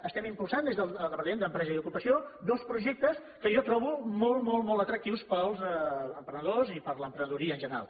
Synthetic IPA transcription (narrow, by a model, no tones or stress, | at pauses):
əst̪ɛmimpulˠsand̪ezðələlˠðəpənend̪əmpɾɛzəðukupəsiod̪ɔspɾuʒɛk̚t̪əs | kəjɔt̪ɾɔβumɔlˠmɔlˠmɔlˠt̪ət̪ɾək̚t̪iwspəlˠzəmpɾənəðozipəɾləmpɾənəðuɾiəːnʒənəɾa̰lˠ